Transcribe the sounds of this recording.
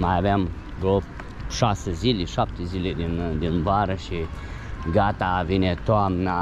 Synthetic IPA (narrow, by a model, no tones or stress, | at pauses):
maavɛm | ɡo | ʃasəziliʃap̚t̪izilid̪ind̪inbaɾəʃi | ɡat̪avinɛt̪ɔamna